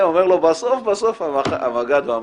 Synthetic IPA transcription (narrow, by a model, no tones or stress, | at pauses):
omeʁlobasofbaso̞faaa̰maɡad̪oam